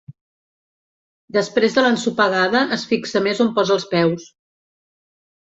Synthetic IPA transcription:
d̪əspɾezðələnsupəɣaðəʔəsfiksəmezompɔzəlˠspɛws

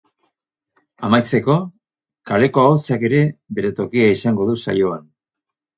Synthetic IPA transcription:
amajt͡se̞ko̞ | kale̞ko̞aot͡sake̞ɾe̞βe̞ɾe̞t̪o̞kiaisaŋɡo̞ðusa̰jo̞an

